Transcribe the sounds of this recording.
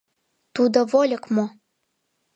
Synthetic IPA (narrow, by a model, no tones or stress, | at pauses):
t̪ud̪ovolʲəkmo